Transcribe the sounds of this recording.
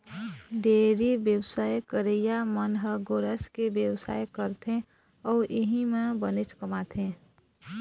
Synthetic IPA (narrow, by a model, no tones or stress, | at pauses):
ɖeːɾibjəwsaːjkəɾejamənɦəɡoɾəskebjəwsa̰ːjkəɾt̪ʰẽ | ɔːɾʔɪɦimẽbənɪt͡ʃkəmaːt̪ʰẽː